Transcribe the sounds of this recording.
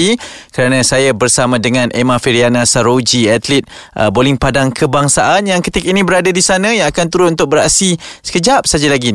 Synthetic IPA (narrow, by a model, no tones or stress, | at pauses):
ikəɾanə̃sajabərsamãdəŋãnʔemãfiɾianasaɾod͡ʒiat̪lɪt̪̚ʔə̰bolɪŋpadaŋkʰəbaŋsaʔanjaŋkət̪ikainĩbəɾadadisanə̃jaŋakant̪uɾʊt̪unt̪ʊk̚bəɾaʔsisə̥kəd͡ʒap̚sad͡ʒalaɡi